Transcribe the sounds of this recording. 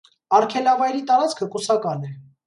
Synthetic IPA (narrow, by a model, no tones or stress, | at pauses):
ɑɾkʰɛlɑvɑjɾit̪ɑɾɑt͡skʰəkusɑkɑnɛ